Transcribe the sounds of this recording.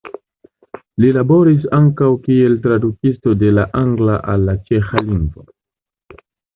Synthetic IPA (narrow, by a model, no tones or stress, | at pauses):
lilabo̞ɾis̬aŋkawkie̞ltɾadukisto̞de̞laʔaŋɡla̰ʔalːat͡ʃe̞xaliŋɡvo̞̰